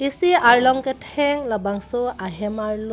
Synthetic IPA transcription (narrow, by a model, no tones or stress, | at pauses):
isiaɹlɔŋketʰɛŋlabaŋsɔaɦɛmaɹlɔ